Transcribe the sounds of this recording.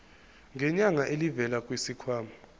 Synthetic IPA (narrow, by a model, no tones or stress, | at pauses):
ŋɡʱɛɲaŋaʔelivɛlakʼwisikʰwaːma